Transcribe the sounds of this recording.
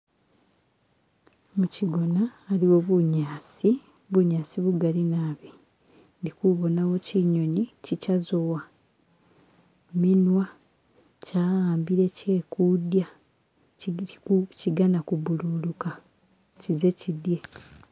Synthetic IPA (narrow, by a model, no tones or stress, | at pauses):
muciɡo̞naːliwoβuɲaːsi | βuɲaːsiβuɡalinaːβi | ndikuβo̞nawo̞ciɲo̞ɲicicazo̞wa | minwa | caːɣaːmbiɾe̞ce̞ːkudja | ciɡanakubululuka | cize̞cidje̞